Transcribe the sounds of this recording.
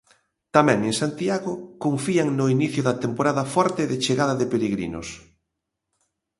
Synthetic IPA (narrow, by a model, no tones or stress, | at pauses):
t̪amɛ̃ŋeŋsant̪iaɣʊkoɱfiaŋnʊiniθjʊðɐt̪empoɾaðɐfɔɾt̪ɪðɪt͡ʃeɣaðɐðɪpeɾeɣɾḭnʊ̰s